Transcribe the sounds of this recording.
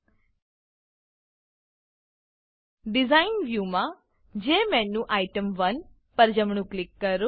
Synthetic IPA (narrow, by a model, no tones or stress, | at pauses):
ɖɪzaːɪnʋjuːmã | d͡ʒẽːmɛ̃ːnũʔaːɪʈəmʋɐn | pɐɾd͡ʒəmɳũklɪkːɐɾoː